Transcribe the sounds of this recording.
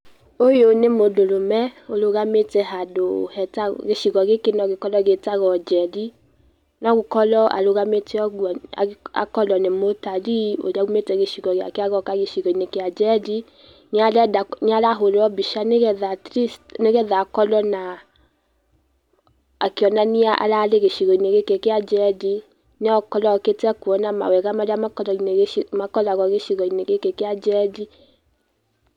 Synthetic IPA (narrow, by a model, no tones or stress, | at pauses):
ojonemodolomɛoloɣameteɦadohɛtaɡeʃiɡɔɡekenɔɡekɔlɔɡetaɣɔd͡ʒɛdi | nɔɡekɔlɔʔa̰loɣameteɔɡwɔa̰a̰kɔlɔnemotaɾio̰d͡ʒaɡumetɛɡeʃiɡɔɡea̰keaɣɔkaɡeʃiɡɔinekead͡ʒɛdi | nealɛdaneaɾaɦoɾɔbiʃaneɣɛðatɾistneɣɛðakɔlɔna | akeɔnaniaʔa̰laleɣeʃiɣɔineɣekekead͡ʒɛdi | neɔkɔlɔketɛkuɔnama̰wɛɣamaɾeamakɔlɔineɣmakɔlaɣɔɣeʃiɣɔineɣekekead͡ʒɛdi